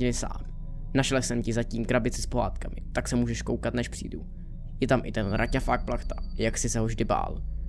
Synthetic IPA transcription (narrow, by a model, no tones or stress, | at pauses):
ɪnɪsa̰ːm | naʃɛlsɛmcɪzaciːmkɾabɪt͡sɛspo̞ɦaːt̪kamɪ̰t̪aksɛmuːʒɛʃko̞wkat̪nɛʃpr̥ḭːdu | jɛt̪amʔɪ̰t̪ɛnɾʔacafaːk̚plaxt̪ajaksɪsɛɦovʒdɪba̰ːl